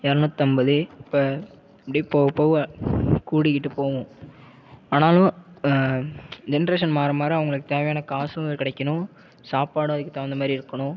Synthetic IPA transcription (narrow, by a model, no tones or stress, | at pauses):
ɛɾɐnɯ̃t̪ːɐmbɐðɯɪpːɐ | ɐpːɐɽipoːɣɐpːoː | kuːɽɪkːɪʈːɯpoːʋʊ̃ | aːnaːlʊ̃ | d͡ʒɛnɐɾeːʂɐnmaːɾɐmaːɾɯɐʋɐŋɡɐɭɯkːɯt̪eːʋɐjaːnɐkaːsɯ̃ɐðkɪɽɐkːɐnʊ̃ | saːpaːɽʊ̃ɐðɯkːɯt̪ɐʋɐnd̪ɐmaːd̪ɾiɪɾɯkːɐɳʊ̃